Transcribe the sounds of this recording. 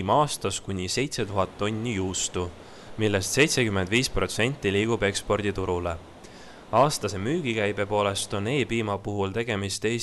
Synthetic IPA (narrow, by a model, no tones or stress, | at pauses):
mɑːst̪ɑskunʲise̞jt̪se̞t̪uɦɑt̪ːo̞nʲːijuːst̪u | milːe̞st̪se̞jt̪se̞kyme̞nd̪viːspro̞t̪se̞nʲt̪ʲːˑiliːɡ̥ube̞kspo̞rd̪̥it̪uɾule̞ | ɑːst̪ɑse̞myːɡ̥ikæjb̥e̞po̞ːle̞st̪o̞ne̞ːpiːmɑpuɦult̪e̞ɡ̥e̞mist̪eː